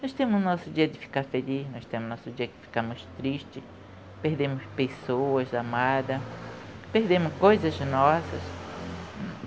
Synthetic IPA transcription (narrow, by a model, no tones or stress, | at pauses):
nost̪ẽmʊsnɔsʊd̪iɐd̪ɪfi̥kaɾfelisnost̪ẽmʊnosud͡ʒiɐkɪ̥fi̥kamʊst̪ɾiʃt͡ʃ̪ɪ | peɾd̪emʊspesoɐzd̪amad̪ɐ | pehd̪emʊskojzɐsnɔsɐs